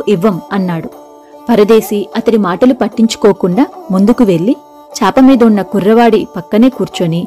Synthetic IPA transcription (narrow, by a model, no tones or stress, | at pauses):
ʔiʋːɐmɐnːaːɽu | pɐɾɐd̪e̞ːsiɐt̪ɐɽimaːʈɐlupɐʈːiɲt͡ʃu̥ko̞ːkuɳɖaːmund̪ukuʋe̞ɭːi | t͡ʃaːpɐmiːd̪ɐunːɐkurːɐʋaːɽipɐkːɐne̞ːkuːɾt͡ʃoːni